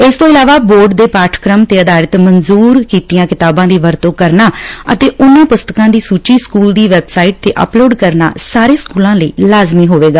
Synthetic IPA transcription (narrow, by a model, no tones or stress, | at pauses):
ɪst̪õːɪlaːʋaːboːɾɖd̪eːpaːʈʰkɾəmt̪eːəd̪aːɾət̪mənzuːɾkiːt̪ijãːkɪt̪aːbãːd̪iːʋəɾt̪oːkəɾnaːə̰t̪eːʔʊnːẽːpʊst̪əkãːd̪iːsuːt͡ʃiːskuːld̪iːʋɛːbsaːiːʈ̚t̪eːʔə̰ploːɖkəɾna̰ːsaːɾeːskuːlãːləḭːlaːzmiːɦoːʋeːɡaː